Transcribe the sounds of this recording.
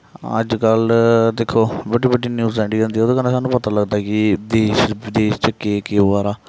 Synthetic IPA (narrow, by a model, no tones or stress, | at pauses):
ə̰d͡ʒkəld̪eːkʰːoːbəɖiːbəɖiːnjuːzɛ̃ːɳɖiːɡɛ̃nd̪iːɛoːd̪õːkəneːsaːnũːpət̪aːləɡd̪aːkɪd̪eːʃʋɪd̪eːʃt͡ʃəkeːkeːaːɾaː